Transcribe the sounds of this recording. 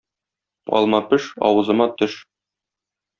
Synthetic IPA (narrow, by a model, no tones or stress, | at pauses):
ɒ̰lˠmɑpɘʃɒ̰wɤ̆zɤ̆mɑt̪ɵʃ